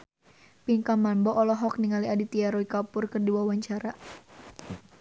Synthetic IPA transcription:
pinkamambɔʔɔlɔɦɔk̚niŋaliʔadit̪iaɾɔikapʊrkɨrdiwawaɲt͡ʃaɾa

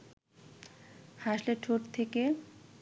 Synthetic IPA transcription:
haʃleʈʰoʈt̪ʰeke

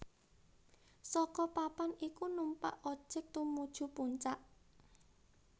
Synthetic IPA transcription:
sɔkɔpapanikunumpa̰ʔo̥ʒ̥ɪk̚t̪umud̥ʒ̥ṳpuɲt͡ʃaʔ

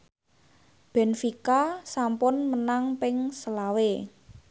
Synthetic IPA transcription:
b̥ɛ̤nfikasampʊnmənaŋpɪŋsəlawe

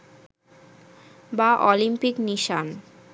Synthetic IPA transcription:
baʔɔlimpikniʃan

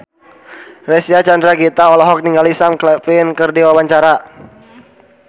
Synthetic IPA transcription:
rɛsiat͡ʃandɾaɡit̪aɔlɔɦɔk̚niŋɡalisamklɛpɪnkɨrdiwawaɲt͡ʃaɾa

